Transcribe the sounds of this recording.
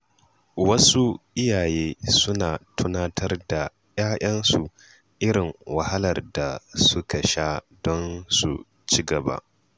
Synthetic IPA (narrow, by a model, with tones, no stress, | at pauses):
wɐ˦su˦ʔɪ˦jaː˨jeː˦sʊ˦naː˨tʰʊ˦naː˦tʰɐ˦rda˨ | j̰aː˦ʔɐ˦nsu˨ | ʔɪ˦ɾɪ˨ŋwɐ˨hɐ˦lɐ˨rda˨sʊ˦ka˨ʃaː˦ | dɔ˦nsu˨ | t͡ʃi˦ɡɐ˨ba̰ː˦